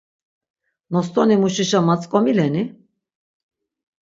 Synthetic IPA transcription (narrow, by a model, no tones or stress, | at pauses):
nɔst̪ʰʼɔnimuʃiʃamat͡sʼkʼɔmilɛni